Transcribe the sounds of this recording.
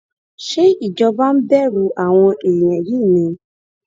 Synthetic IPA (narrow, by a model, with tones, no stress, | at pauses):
ʃe˦i˨d͡ʒɔ˧ba˦m̩˦bɛ˦ɾu˧ʔa˨w̃ɔ̃˧ʔe˨j̃ɛ̃˨ji˦˨nĩ˧